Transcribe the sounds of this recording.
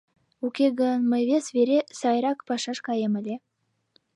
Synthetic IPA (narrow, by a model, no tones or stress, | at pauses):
ukʲeɣənməjβesveɾesɑjɾɑkpɑʃɑʃkɑjemə̆lʲe